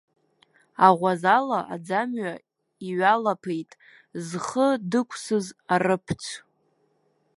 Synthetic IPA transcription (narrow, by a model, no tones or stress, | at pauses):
aʁʷazalaʔa̰d͡zamɥa | iɥalapʰejtʼ | zχədɨkʷʰsɨzarɨpʰt͡sʷʰ